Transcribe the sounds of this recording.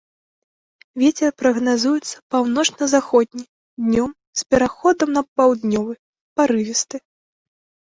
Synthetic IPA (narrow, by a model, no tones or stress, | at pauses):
vʲɛt͡sʲɛrpɾɐɣnazujut̪sːɐ̥pawnɔt͡ʂnɐzaxɔd̪ʲnʲi | d̪ʲnʲɔm | spʲɛɾaxɔd̪ɐmnɐpawd̪nʲɔvɨ | paɾɨvʲɛst̪ɨ